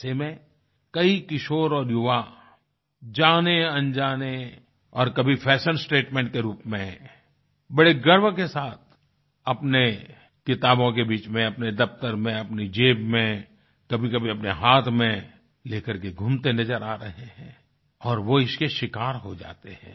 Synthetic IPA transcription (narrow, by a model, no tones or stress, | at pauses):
semẽ | kɐikɪʃoːɾɔːɾjʊʋa | d͡ʒaːneɐ̃nd͡ʒaːne | ɔːɾkɐbʱipʰɛːʃə̃nsʈeːʈmẽːɳʈ̚keɾuːpmẽ | bɐɽeɡəɾʋkesaːt̪̚ʰ | ɐpne | kɪt̪aːbõkebiːt͡ʃmẽɐpned̪ɐft̪əɾmẽɐpnid͡ʒeːbmẽ | kɐbʱikɐbʱiɐpneɦaːt̪ʰmẽ | leːkəɾkeɡʱʊ̃mt̪enɐzəɾaːɾɐɦeɦɛ̰̃ː | ɔːɾʋoɪskeʃɪkaːɾɦod͡ʒa̰ːt̪eɦɛ̰̃ː